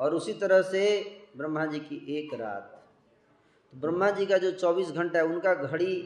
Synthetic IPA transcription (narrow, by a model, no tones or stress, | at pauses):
ɔːɾʊsit̪ɐɾəɦsebɾəmːad͡ʒiːkiʔeːkɾa̰ːt̪ | t̪ːobɾəmːad͡ʒiːkad͡ʒoːt͡ʃɔːbiːsɡʱə̃ɳʈaɦɛʊnkaɡʱɐɽi